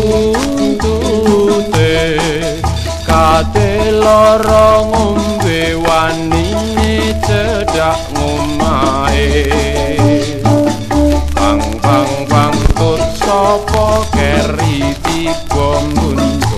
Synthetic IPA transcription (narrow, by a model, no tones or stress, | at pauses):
unt̪ut̪e | kadelɔɾɔŋom | bewaninet͡ʃəɖ̥aʔŋomae | paŋpaŋpaŋt̪ʊt̪̚sɔpɔkɛɾipib̥ɔmbun